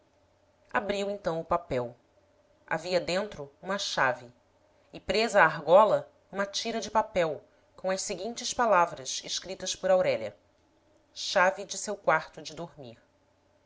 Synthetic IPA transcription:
abɾiwẽnt̪ɐ̃w̃ʊpapɛw | a̰viɐd̪ẽnt̪ɾʊũmɐʃavɪ | ɪpɾezɐːɦɡɔlɐ | ũmɐt͡ʃiɾɐd͡ʒɪpapɛw | kõw̃ɐsseɡĩnt͡ʃɪspalavɾɐzḛʃkɾit̪ɐspʊɾawɾɛʎɐ̰ | ʃavid͡ʒɪsewkwaɾt̪ʊd͡ʒɪd̪oɾmiɾ

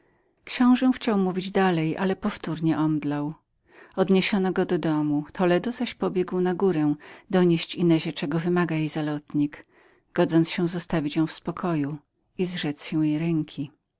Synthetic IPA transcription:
kɕɔ̃w̃ʐɛw̃xt͡ɕawmuvʲid͡ʑd̪alɛjʔa̰lɛpɔft̪uɾɲɛʔɔmd̪law | ɔd̪ɲeɕɔnɔɡɔd̪ɔd̪ɔmut̪ʰɔlɛd̪ɔzaɕpɔbʲjɛɡwnaɡuɾɛ̃d̪ɔɲeɕt͡ɕinɛʑɛt͡ʂɛɡɔvɘmaɡajejzalɔt̪ɲik | ɡ̥ɔd̪zɔnt̪sɕɛw̃zɔst̪avʲit͡ɕjɔ̃w̃fspɔkʰɔju | izʐɛt̪sɕɛ̃w̃jejɾɛŋkʲʰi

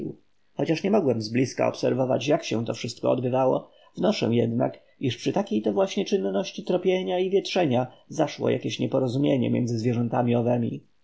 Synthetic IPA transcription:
xɔt͡ɕaʂɲɛmɔɡwɛmzblʲiska̰ɔ̰psɛɾvɔva̰t͡ɕjakɕɛ̃t̪ɔfʂɘst̪̚kɔːd̪bɘvawɔ̰ | vnɔʂɛ̰̃jɛd̪na̰k | iʂpʂɘt̪akʲejt̪ɛvwaɕɲɛt͡ʂɘnːɔɕt͡ɕit̪ɾɔpʲjeɲaivʲjɛt̪ʂɛɲazaʂwɔ̰ja̰kʲeɕɲɛpɔɾɔzumʲjeɲɛ̰mʲjɛ̰nzɘzvʲjɛʐɛnt̪amʲiɔvɛmʲḭ

